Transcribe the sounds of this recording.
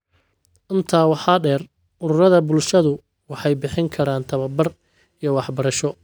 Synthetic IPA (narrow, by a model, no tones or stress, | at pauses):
ʔɪnt̪ʰaːwɑħɑːɖɛːr | ʔʊɾʊɾɐðɐbʊlʃɐðʊ | wɑħɑjbɪħɪŋkʰɐɾaːnt̪ʰɐβɐbɐr | ijɞwɑħbɐɾɐʃɔ